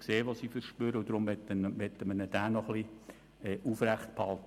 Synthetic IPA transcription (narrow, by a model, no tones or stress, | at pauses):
kseːʋɑsiːfəɾʃpøɾəʊd̥̪ɾʊmʋɛt̪ːnʋɛt̪ːəmənəd̥æːnɔχli | ɛːʔufræχt̪̚phɑlt̪